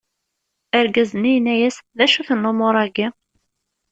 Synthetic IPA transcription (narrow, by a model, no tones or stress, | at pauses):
əɾɡæzənijənːæjæsðæʃuθənːomʊɾˤæɡi